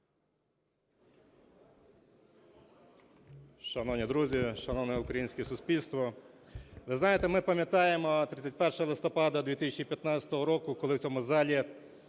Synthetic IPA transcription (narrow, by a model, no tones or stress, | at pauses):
ʃɐnɔwnʲid̪ɾuzʲiʃɐnɔwnɛʊkɾɐjinʲsʲkɛsʊsʲpʲilʲst̪ʋɔ | ʋ̪ɪznɑjet̪ɛmɪpɐmʲjɐt̪ɑjemɔt̪ɾɪt͡sʲɐt̚ʲpɛrʃɔɦɔlˠɪst̪ɔpɑd̪ɐd̪ʋʲit̪ɪsʲɛt͡ʃʲipʲjɐt̪nat͡sʲsʲɐ̥t̪ɔɦɔɾɔkʊkɔlˠɪwt͡sʲɔmʊzɑlʲi